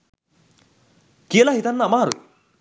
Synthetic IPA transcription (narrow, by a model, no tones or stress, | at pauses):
kelaɦit̪anːamaːɾu